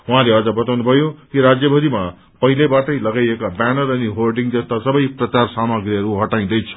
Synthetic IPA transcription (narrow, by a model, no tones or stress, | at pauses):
uɦãleʌd͡zʌbʌt̪awnubʱʌjokiɾad͡zjʌbʱʌd̪ima | pʌɦilebaʈʌjlʌɡajekabanʌɾʌniɦorɖiŋd͡zʌst̪asʌbʌjprʌt͡sarsamʌɡriʌɾuɦʌʈaj̃d̪ʌjt͡sʰʌ̥